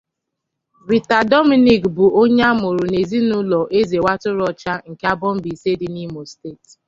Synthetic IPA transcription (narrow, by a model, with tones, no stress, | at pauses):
ɾi˨ta˨dɔ˦mi˨ni˨kbʊ˨ʔo˦ɲe˦a˦mʊ˨ɾʊ˨ne˨zi˦nʊ˦lɔ˨ʔe˦ze˨wa˦tʊ˦ɾɔ˨t͡ʃa˦ŋ̩˨ka˦bɔ˦m̩˦bi˨se˦dɪ˦ni˦mo˨ste˦˨t